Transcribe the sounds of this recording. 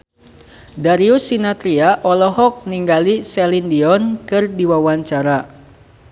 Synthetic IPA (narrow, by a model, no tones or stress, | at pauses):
daɾiusinat̪ɾiaʔɔlɔɦɔk̚niŋɡalisɛlindiɔnkɨrdiwawaɲt͡ʃaɾa